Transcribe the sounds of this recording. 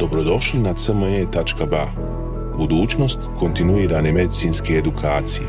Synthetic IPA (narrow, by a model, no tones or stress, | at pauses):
d̪̥o̞bɾo̞d̪o̞ʃlinasəməet̪at͡ʃkaba | bud̪uːt͡ʃno̞st̪ko̞nt̪inuiːɾane̞me̞d̪it̪sinskeːd̪ukʰaːt̪sije